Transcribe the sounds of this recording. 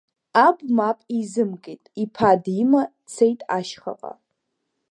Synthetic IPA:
abmapʼizɨmkʼejtʼipʰadima | t͡sʰejtʼa̰ʃχa̰qʼa̰

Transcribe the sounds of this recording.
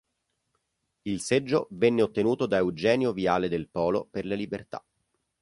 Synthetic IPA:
ilsed͡ʒːovɛnːeot̪ːenuːt̪od̪aewd͡ʒɛːnjoviaːled̪elpɔːloperlelibert̪a̰

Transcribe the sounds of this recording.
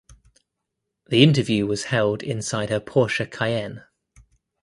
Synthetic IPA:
ðiɪ̃ntəvjʉːwɒz̥hɛlˠdɪ̰̃nsaɪd̥̚həpʰɔˑʃəkʰaɪɛ̃n

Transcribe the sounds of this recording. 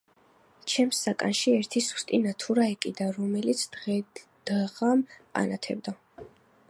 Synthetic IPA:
t͡ʃʰɛmsːakʼanʃiɛɾt̪ʰisu̥st̪ʼinat̪ʰuɾaɛkʼid̪aɾɔmɛlit̪sʰd̪ɛ | d̪̥aʁampʼa̰nat̪ʰɛ̰bd̪a

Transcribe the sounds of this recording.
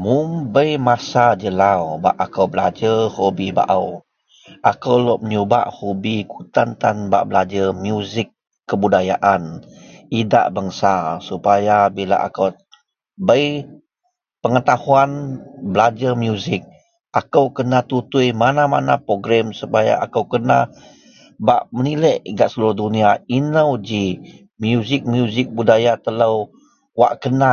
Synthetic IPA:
mʊmbəjmasad͡ʒəlawbaʔakawbəlad͡ʒəhobiba̰ʔaw | ʔakəwlɔʔməɲuba̰ʔhobikut̪ant̪anba̰ʔbəlad͡ʒəmjuzɪkː | əbudajaʔanida̰ʔbəŋsasupajabila̰ʔa̰kəw | bəj | pəŋət̪ahuanbəlad͡ʒamjuzɪk̚ | akəwkənat̪ut̪ujmanamanapɾoɡɾɛmsupaja̰ʔa̰kəwkəna̰ | ba̰ʔməniləʔiɡaʔsəluɾʊhduniainəwd͡ʒi | mjuzɪk̚mjuzɪk̚budajat̪ələw | wa̰ʔkəna

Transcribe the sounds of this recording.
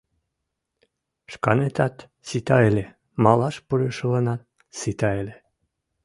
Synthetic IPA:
ʃkɑnet̪ɑt̪ | sit̪ɑelʲe | mɑlˠɑʃpuɾeʃlˠɤ̆nɑt̪ | sit̪ɑelʲe

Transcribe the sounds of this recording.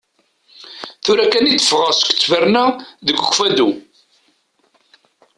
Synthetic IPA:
θʊɾækænit̪ːə̥fʁəsə̥kt͡sːvəɾnæðəɡəkʷːfæd̪u

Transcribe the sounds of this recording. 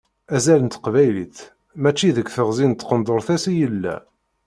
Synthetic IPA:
æzælənt̪qvæjlḭθ | mæt͡ʃːiðəkʷːθəʁzint̪ːqənd̪ˤoɾθæsijəlːæ̰

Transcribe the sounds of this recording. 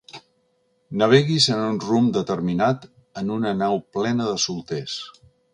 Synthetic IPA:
nəβ̞eɣizənunrumd̪ət̪əɾminat̪ | ənunənawplɛnəðəsulˠt̪es

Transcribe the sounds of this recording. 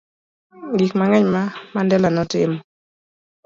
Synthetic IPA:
ɡikmaŋɛɲmamandɛlanɔtɪmɔ

